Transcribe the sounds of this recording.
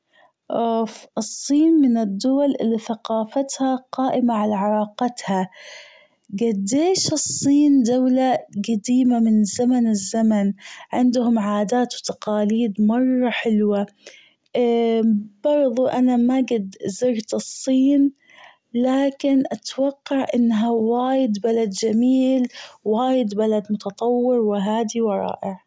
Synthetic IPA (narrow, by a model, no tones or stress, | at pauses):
ʔoːfʔɨsˤːiːnmɪnɪd̪ːʊwalʔɪlːiθaqɑːfat̪haqɑːʔɪmaʕalaʕɑɾˤɑːqɑt̪ha | ɡad̪ːeːʃɨsˤːiːnd̪awlaɡad̪iːmamɪnzamanɪzːamanʕɪnd̪hʊmʕaːd̪aːt̪wt̪aqɑːliːd̪mɑrˤːɑħɪlwa | b̥ɑɾðˤuʔanamaɡad̪zɪɾt̪ɨsˤːiːn | laːkɪnʔat̪wɑqːɑʕʔɪnːɦawaːjɪd̪balad̪d͡ʒamiːlwaːjɪd̪balad̪mʊt̪ɑt̪ˤɑwːɪɾwɪɦaːd̪iwɑɾˤɑ̰ːʔɪʕ